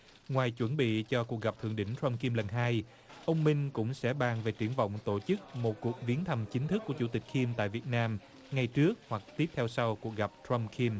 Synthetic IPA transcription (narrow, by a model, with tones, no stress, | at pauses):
ŋwaː˨˩jt͡ɕwə˧˩nɓḭ˧˨t͡ɕɔ˧ku˨˩ək̚ɣa˨˩p̚t̪ʰɨ˧˨əŋɗï˧˥ŋ̟t̪wə˧mki˧mlə˨˩ŋɦaː˧j | ʔə˧wŋ͡mmï˧ŋ̟kʊ̰˧˥ŋ͡msɛ̰˧˥ɓaː˨˩ŋve˨˩t͡ɕɨ˨˧˩əŋvɔ̰˧˨wŋ͡mt̪o˧˩t͡ɕɨ˦˥k̚mo˨˩t̚ku˨˩ək̚vi˨˦ənt̪ʰə˨˩mt͡ɕï˨˦ŋ̟t̪ʰɨ˦˥k̚ːu˧˩ət͡ɕu˧˦t̪ï˨˩k̟̚ki˧mt̪a̰ː˧˨jvi˨˩ət̚naː˧m | ŋa˨˩jt͡ɕɨ˦˥ək̚hwa˨˩k̚t̪i˦˥əp̚t̪ʰɛ˧wsa˧wku˨˩ək̚ɣa˨˩p̚tɹə˧mkʰi˧m